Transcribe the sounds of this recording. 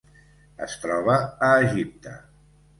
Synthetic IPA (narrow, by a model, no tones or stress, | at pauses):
ə̰st̪ɾɔβəːʒip̚t̪ə̰